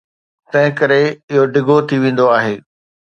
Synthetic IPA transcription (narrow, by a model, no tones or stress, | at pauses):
t̪ɐ̃ɦɪ̃kɐɾeɪɦoɖɪɡʱot̪ʰiʋẽːn̆d̪oaːɦeː